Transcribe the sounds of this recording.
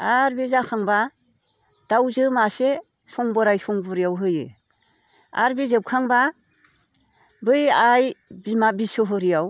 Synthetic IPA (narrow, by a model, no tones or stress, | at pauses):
aɾbizakʰaŋba | d̥awzɯmase | sɔŋbɔɾajsɔŋbɔɾijawɦɯjɯ̰ | a̰ɾbizɯp̚kʰaŋba | bɯjajbmabisɯɦɯɾijaw